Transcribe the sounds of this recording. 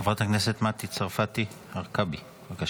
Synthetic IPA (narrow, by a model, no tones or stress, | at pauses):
avʁat̪haknese̞t̪mat̪it͡saʁfat̪i | haʁkabi | vaka